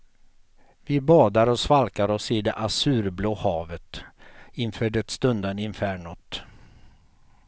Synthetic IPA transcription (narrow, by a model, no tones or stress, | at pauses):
vɪbɑːd̪aɾɔsvalkaɾɔsɪd̪ɛʔasʉ̟ːɾbloːhɑːvət̪ɪnfœːɖɛt̪st̪ɵnd̪ənɪnfæːɳɔt̪